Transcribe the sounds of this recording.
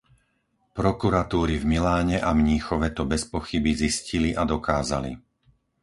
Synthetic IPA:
pɾɔkuɾat̪uːɾivmilaːɲɛʔamɲiːxɔʋɛt̪ɔbɛspɔxibizisciliʔad̪ɔkaːza̰lḭ

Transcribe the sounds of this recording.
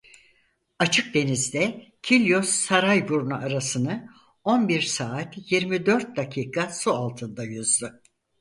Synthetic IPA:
at͡ʃʰɯk̚d̪e̞nizd̪ɛcʰilʲjo̞sːaɾajbuɾnaaɾasɯnɯ | o̞nbiɾsaːt̪jiɾmid̪ø̞ɾt̪̚d̪akʰiːkʰasualˠt̪ʰɯnd̪ajyzd̪u

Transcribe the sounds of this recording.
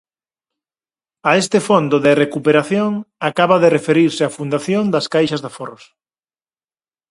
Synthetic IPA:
aest̪ɪfond̪oðerekupeɾaθjoŋakaβaðerefeɾiɾsɪafund̪aθjond̪ɐskajʃɐzðaforos

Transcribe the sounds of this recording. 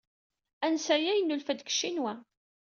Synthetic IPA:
ænsæjæjənːulfæd̪kə̥ʃːinwæ

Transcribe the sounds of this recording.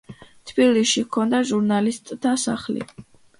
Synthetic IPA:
t̪ʰb̥iliʃikʰɔnd̪aʒuɾnalist̪ʼt̪ːasa̰χlḭ

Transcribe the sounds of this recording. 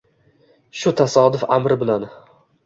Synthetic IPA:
ʃʊt̪ʰasɒd̪ʊfamɾɪbɪlan

